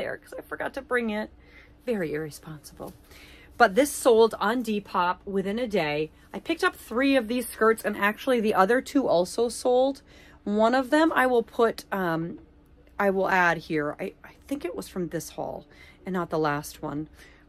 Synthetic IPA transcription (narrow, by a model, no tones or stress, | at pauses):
ə̰˞kʰʌz̥aɪfə˞ɡɑtʰɨbɹɪ̃ŋɪt̚ | vɛɹiɪɹɨspɑ̃nsəbl̩ˠ | b̥ʌt̪̚ðɪsoʊlˠdn̩dipʰɑp̚wɪθɪ̃nɨdeɪ | aɪpʰɪk̚tʌp̚θɹiʌvðiz̥skɜ˞tsɨ̃næk̚t͡ʃul̩ˠiðiʔʌðə˞tʰuʔɔlˠsoʊsoʊlˠdwʌ̃nʌvðɨ̃ma̰ɪwɪlˠpʰʊɾʌ̃m | aɪwəlˠæd̚hiɹa̰ɪʔaɪθɪ̃ŋkɨt̚wʌz̥fɹʌ̃mðɪshɔ̰lˠɨ̃nːət̪̚ðəlæst̚wʌ̰̃n